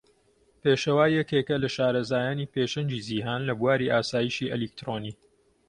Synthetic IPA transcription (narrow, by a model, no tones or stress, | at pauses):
peːʃɐwaːjɐkeːkɐlɐʃaːɾɐzaːjaːniːpeːʃɐnd͡ʒiːziːɦaːnlɐbuwaːɾiʔaːsaːjiʃiːʔɛ̰lik̚t̪ɾoːniː